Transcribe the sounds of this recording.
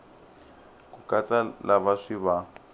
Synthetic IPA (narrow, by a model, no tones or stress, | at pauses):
kukʼat͡sʼalaβaʂiβa